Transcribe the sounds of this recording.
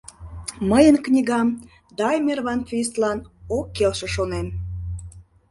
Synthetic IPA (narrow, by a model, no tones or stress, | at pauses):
məjənknʲiɣɑm | d̪ɑjmerβɑnfis̬t̪lɑnokːelʃĕʃonem